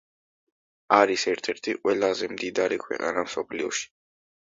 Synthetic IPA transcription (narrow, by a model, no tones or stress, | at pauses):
aɾisɛɾt̪ʰɛɾt̪ʰiqʼwɛlˠazɛmd̪id̪aɾikʰwɛ̰qʼa̰namsɔpʰliɔʃi̥